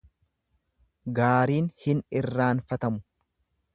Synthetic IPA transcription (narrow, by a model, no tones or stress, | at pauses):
ɡaːɾiːnhɪnɪrːaːnfɐt̪ɐmʊ̥